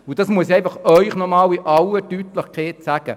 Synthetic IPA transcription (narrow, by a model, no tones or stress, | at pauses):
ʊd̥ɑsmuəsiɛɪfɑχœʏχnɔmɑːliʔɑwətyːtlɪχkʰeːtsæɡ̥ə